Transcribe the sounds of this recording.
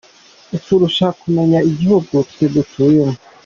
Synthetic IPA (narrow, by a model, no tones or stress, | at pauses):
usuɾuʃakumeɲaiɟihuɡutedutʰujemu